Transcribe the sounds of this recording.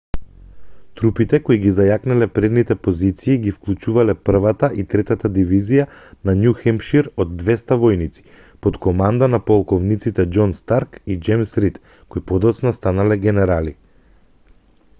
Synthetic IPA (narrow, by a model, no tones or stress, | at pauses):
t̪ɾupit̪ɛkoiɡizajaknalɛpɾɛd̪nit̪ɛpozit̪siːɡifklˠut͡ʃuvalɛpr̩vat̪aʔit̪ɾɛt̪at̪ad̪ivizijananjuxɛmpʃiɾod̪ːvɛst̪avɔjnit̪si̥ | pot̪kɔmand̪anapɔlˠkɔvnit̪sit̪ɛd͡ʒɔnst̪aɾkid͡ʒɛmsɾit̪ | koipɔd̪ɔt̪snast̪analɛɡɛnɛɾali